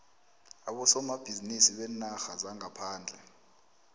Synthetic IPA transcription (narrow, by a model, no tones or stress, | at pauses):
aɓɔsɔmab̥ʱizinisiɓɛnaxazaŋapʰaːnd͡ɮʱɛ